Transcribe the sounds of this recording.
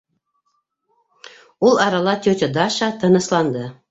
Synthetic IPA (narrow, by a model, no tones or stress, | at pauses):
ulˠɑɾɑlˠɑt̪ʲøt̪ʲɤd̪ɑʃɑt̪ɤ̆nɤ̆slˠɑnd̪ɤ